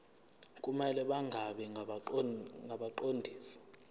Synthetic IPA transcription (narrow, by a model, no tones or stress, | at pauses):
kʼumɛlɛɓaŋɡʱaɓɛ | ŋɡʱaɓaǃondʱiːsi̥